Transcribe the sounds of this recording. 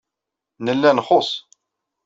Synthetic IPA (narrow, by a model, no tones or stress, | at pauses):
nəlːænχosˤ